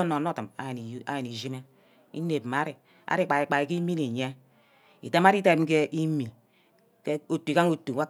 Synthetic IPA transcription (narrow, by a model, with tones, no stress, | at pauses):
no˨n˦o˦tɨ˨ma˨a˨je˨ni˨zi˦me˦ | ḭ˦ne˨bma˦ɾi˨ | a̰˦ɾi˦k͡pa˨i˨k͡pa˨i˨ki˦mi˦ni˨ɲe˦ | ḭ˨ta˦ma˦ɾi˦ta˦˨˦ke˦ʔi˦mi˨ | ke˦o˨tːu˨ka˦ŋo˨tu˨wa˦